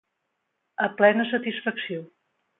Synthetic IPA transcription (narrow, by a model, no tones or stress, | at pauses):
əplɛnəs̬ət̪isfəksio